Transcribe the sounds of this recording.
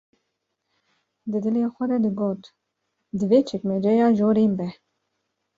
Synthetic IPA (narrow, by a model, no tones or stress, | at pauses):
d̪ɨd̪ɨleːxʷɛd̪ɛd̪əɡoːt̪ | d̪ɨveːt͡ʃʰɛkmɛd͡ʒɛjɑːʒoːɾeːmbɛ